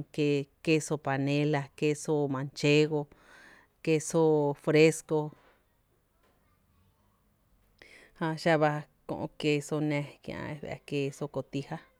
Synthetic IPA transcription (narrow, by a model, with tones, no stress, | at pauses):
ke˧ke˦so˧pa˨nẽ˦la˧ke˦so˦mã˨˧nt͡ʃe˦ɣo˧ | ke˦so˦fɾe˦sko˧ | hã˧ʃa˦βa˧ | kõ̰˧ʔõ̰˧ke˧so˧nẽ˧kḭ̃˧˨ã̰˧e˧β̰a̰˨˧ke˧so˧ko˧t̪i˧ha˦